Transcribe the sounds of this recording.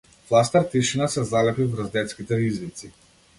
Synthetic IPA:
flˠast̪aɾt̪iʃinasɛzalɛpivɾəzd̪ɛt̪skit̪ɛizvit̪si

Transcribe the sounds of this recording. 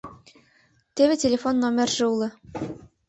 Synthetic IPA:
t̪eβʲetʲelʲefonːomʲerʒɘ̆ulˠɤ̆

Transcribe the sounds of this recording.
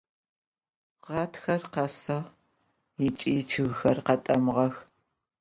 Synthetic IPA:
ʁɑːtxɐrqɐsɐʁ | ɪt͡ʃʼiːt͡ʃʰɨɣxɐrqɐtʼɐmʁɐx

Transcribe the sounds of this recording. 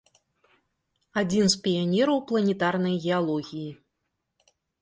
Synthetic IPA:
ad͡zʲinspʲijanʲɛɾɐwplˠɐnʲɛt̪arnɐjɣʲɛalˠɔɣʲiji

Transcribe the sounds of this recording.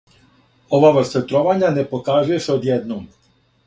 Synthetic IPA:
o̞ʋaʋr̩st̪at̪ɾoʋaɲanepo̞kaːzuje̞seod̪jed̪nom

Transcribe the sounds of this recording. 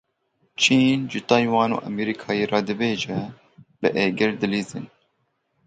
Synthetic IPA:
t͡ʃʰiːnʒɨt̪ɑːjwɑːno̰ːʔɛmɛɾikʰɑːjeːrɑːd̪ɨbeːʒɛ | b̥ɨʔeːɡɪɾd̪ɨliːzɨn

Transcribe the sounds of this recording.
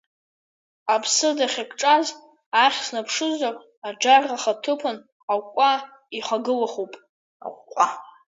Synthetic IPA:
apʰsɨdaχʲakʰʼʈ͡ʂʼaz | aχʲsnapʰʂɨzarʼ | ad͡ʒarːaχatʰɨpʰʊn | awkʷʼa | iχʷaɡɨlaχupʼ | a̰χʷkʷʼa

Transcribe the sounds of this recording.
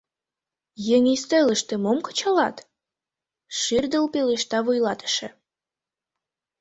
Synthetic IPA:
jeŋʲist̪øləʃt̪emomkə̥t͡ɕɑlɑ̰t̪ | ʃird̪əlpeleʃt̪ɑβujlɑt̪ə̥ʃḛ̆

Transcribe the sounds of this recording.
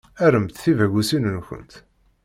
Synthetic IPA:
æɾəmt̪θivæɡʷusinənçə̰nt̪

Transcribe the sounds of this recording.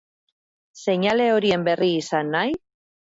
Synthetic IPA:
se̞ɲale̞o̞ɾie̞mbe̞riːsanːaj

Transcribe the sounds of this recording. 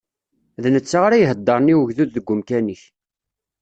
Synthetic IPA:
ðnət͡sːaʁaɾajɦəd̪ˤːɑɾˤniwəʝðuðːəɡʷːʊmkæniç

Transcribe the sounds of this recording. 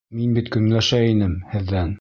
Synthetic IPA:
minbit̪kɵ̆nlæʃæinɘmhɘ̆ðːæn

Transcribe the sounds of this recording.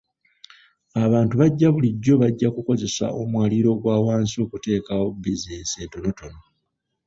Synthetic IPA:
aβaːntuβaɟːaβuliɟːo̞βaɟːakuko̞ze̞sa̰ʔo̞mwaːliɾo̞ɡwaːwaːnsio̞ːkute̞ːkawobizeːnseːnto̞no̞to̞no̞

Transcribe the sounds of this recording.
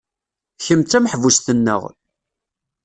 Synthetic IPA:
çəmt͡s̪ːæmħvusθənːə̰ʁ

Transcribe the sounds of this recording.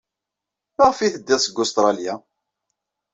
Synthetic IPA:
məʁfiθəd̪ːɪðsəɡʊst̪ɾˤɑlja

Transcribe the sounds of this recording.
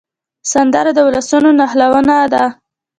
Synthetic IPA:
sand̪aɾad̪əwlasunonahlawənad̪a

